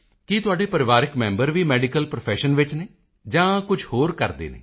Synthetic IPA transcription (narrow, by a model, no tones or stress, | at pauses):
kit̪ʊaːɖeːpəɾɪʋaːɾɪkmɛ̃ːmbəɾʋiːmɛːɖikəlpɾopʰɛːʃənʋɪt͡ʃneː | d͡ʒãːkʊd͡ʒhoːɾkəɾd̪ḛːnḛː